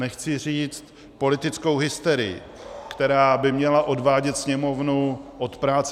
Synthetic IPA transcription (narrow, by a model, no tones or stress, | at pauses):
nɛxt͡sɪr̝iːt͡st̪ | po̞lɪt̪ɪt͡sko̞wɦɪst̪ɛɾɪjɪ̰ | kt̪ɛɾaːbɪmɲɛlaʔo̞dvaːɟɛt̪sɲɛmo̞vnuʔot̪pɾaːt͡s